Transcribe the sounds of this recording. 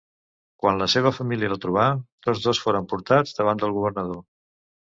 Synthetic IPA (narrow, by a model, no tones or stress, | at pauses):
kwanləseβ̞əfəmiliələt̪ɾuβ̞at̪od͡zðosfoɾəmpuɾt̪ad͡zd̪əβand̪əlˠɣuβ̞əɾnəðo